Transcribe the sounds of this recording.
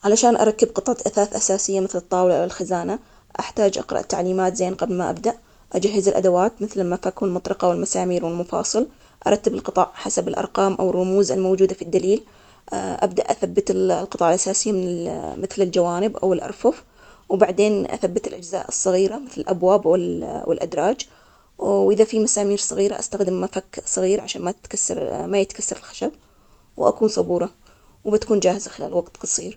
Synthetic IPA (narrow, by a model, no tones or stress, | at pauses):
ʕalaʃaːnʔɑ̰ɾˤɑkːɪbqɨt̪ˤʕɑt̪ʔaθaːθʔasaːsɪjːamɪθlɨt̪ˤːɑːwlaʔawɪlxazaːna | ʔaħt̪aːd͡ʒʔɑ̰qɾˤɑ̰ʔt̪ːa̰ʕliːmaːt̪zeːnqɑblmaʔa̰b̚d̪aʔ | ʔad͡ʒaɦːɪzɪlʔa̰d̪awaːt̪mɪθlɪlmafakwɪlmʊt̪ˤɾɑqɑwɪlmasaːmiːɾwɪlmʊfɑ̰ːsˤɨl | ʔɑɾˤɑt̪ːɪbɪlqɨt̪ˤɑʕħasabɪlʔɑ̰ɾˤqɑːmʔa̰wɪrˤːʊmuːzɪlmowd͡ʒuːd̪afid̪ːaliːl | ʔa̰bd̪aʔaθabːɪt̪lqɨt̪ˤɑːʕɪlʔasaːsɪjːamɪnɪmɪθlɪld͡ʒawaːnɪbʔa̰wɪlʔɑ̰ɾˤfʊf | wbaʕd̪eːnʔa̰θabːɪt̪ɪlʔad͡ʒza̰ːʔɨsˤːɑɣiːɾamɪθlɪlʔabwaːbwɪlwɪ̰lʔa̰d̪ɾˤɑːd͡ʒ | ʔɪðafimasaːmiːɾsˤɨɣiːɾa̰ʔa̰st̪axd̪ɪmːafakːsˤɨɣiːɾʕaʃaːnmat̪kasːɑ̰ɾˤmajɪt̪kasːɑɾˤɪlxḁʃab | wʔa̰kuːnsˤɑbuːɾˤɑ | wbɪt̪ḁkuːnd͡ʒaːhɪzaxɪla̰ːlwɑɡt̪qɑsˤiːɾ